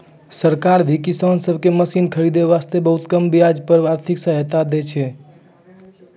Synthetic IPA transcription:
səɾkaɾd̪ʱikisənsəbʱkeməsinkʰəɾid̪eʋast̪ebəɦut̪kəmbijad͡ʒpəɾaɾt̪ʰiksəɦt̪ad̪et͡ʃʰɛ

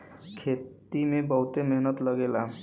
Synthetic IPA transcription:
kʰet̪ | imẽbəɦut̪emeɦnət̪ləɡela

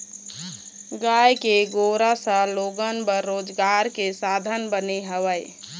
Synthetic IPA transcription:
ɡaːjkeɡoɾasə̃loːɡənbəɾːoːd͡ʒɡaɾkesad̪ʱənbəneɦəʋəj

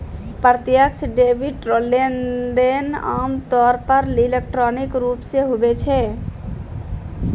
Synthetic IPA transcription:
pəɾt̪jək̚t͡ʃʰɖebʱiʈɾolenɖena̰mt̪ɔɾpəɾlilek̚ʈɾɔnikɾupseɦobet͡ʃʰɛ

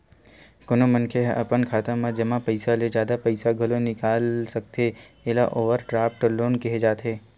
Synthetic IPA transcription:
kʊnomənkʰeɦʔɐpənkʰaːt̪ãmãd͡ʒɐmãpɐɪsaled͡ʒjaːd̪apɐɪsaɡʱɐlonɪkaːlsɐk̚t̪eelaʔoːʋəɾʈɾaːpʈloːnkiɦed͡ʒaːt̪eː

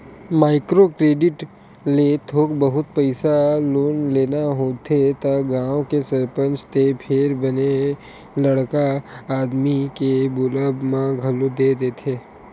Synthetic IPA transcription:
maːɪkɾokɾeːɖɪʈ | let̪ʰoːkbəɦʊt̪̚pɛɪsaloːnleːnaɦoːt̪ʰet̪aɡãːõkesɐɾpə̃nt͡ʃt̪epʰɪɾbəne | lɐɽkaaːd̪mikebʊləbmãɡʱɐlod̪eːd̪eːt̪ʰeː

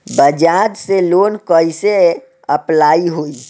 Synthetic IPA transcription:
bəd͡ʒad͡ʒ̪selonkəjse | əplaiɦoi

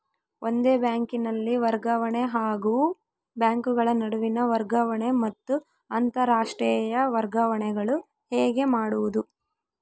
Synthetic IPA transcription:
ʔond̪e̞ːbjaːŋkinɐlːiʋɐɾɡɐʋɐɳeɦaːɡuː | bjaːŋkuɡɐɭɐnɐɽuʋinɐʋɐɾɡɐʋɐɳemɐt̪ːu | ɐnt̪ɐɾaːʂʈɾijɐʋɐɾɡɐʋɐɳɛɡɐɭu | hɛːɡe̞maːɽuʋud̪u

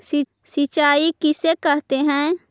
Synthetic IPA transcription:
si | sit͡ʃaːikɪsekəɦt̪eɦɛ̃ː

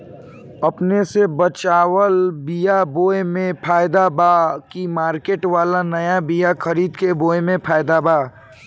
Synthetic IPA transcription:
ɐpnesebət͡ʃaːwəlbijaboːjmẽpʰaːjd̪abakimaːɾkeːʈʋaːlanɐjabijakʰəɾiːd̪keboːemẽpʰaːɪd̪abaː

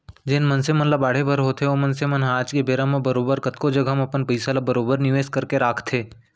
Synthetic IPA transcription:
d͡ʒɪnmənsemənlɐbaːɽ̤ebəɾɦoːt̪eomənsemənɦaːd͡ʒkebeːɾamẽbəɾoːbəɾkət̪kod͡ʒɐɡʱamɐpənpəjsalabəɾoːbəɾnɪʋeːskəɾkeɾaːkʰt̪ʰeː

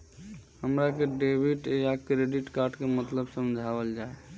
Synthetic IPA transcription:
həmɾakeɖebʱiʈeakɾeɖiʈkaɾɖkemət̪ləbsəmd͡ʒʱabəld͡ʒae

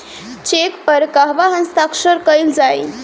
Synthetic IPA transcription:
t͡ɕekpəɾkaɦʋaɦənst̪akʂəɾkəjld͡zaj

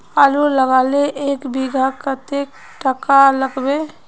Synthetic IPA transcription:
aːluləɡaːleʔeːkbiɡʱakət̪ek | ʈəkaləɡbe

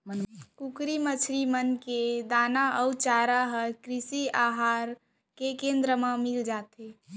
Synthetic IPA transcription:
kukɾimət͡ʃʰɾimənked̪aːnaʔəwt͡ʃaːɾaɦəkɾisiaɦaːɾ | kekẽnd̪ɾəmemild͡ʒat̪e

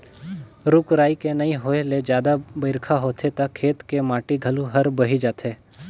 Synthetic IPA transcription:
ɾʊkɾaːikenɐɦĩɦoːeled͡ʒjaːd̪abəɪɾkʰaɦoːt̪ʰet̪ɐkʰːeːt̪kemãːʈiɡʱɐluɦɐɾbɐɦid͡ʒaːt̪ʰeː

